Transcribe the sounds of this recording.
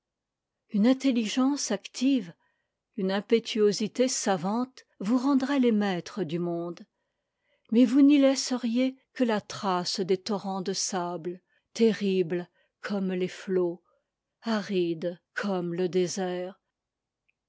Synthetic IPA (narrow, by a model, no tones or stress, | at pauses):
ynɛ̃t̪eliʒɑ̃sakt̪ʰiv | ynɛ̃pet̪ʰyozit̪esavɑ̃t̪ | vuʁɑ̃d̪ʁɛlemɛt̪χəd̪ymɔ̃d̪ | mɛvunilɛsəʁjekəlat̪χasd̪et̪ɔʁɑ̃d̪əsabl | t̪eʁibl | kʰɔmleflo | aʁid̪kʰɔmləd̪ezɛːʁ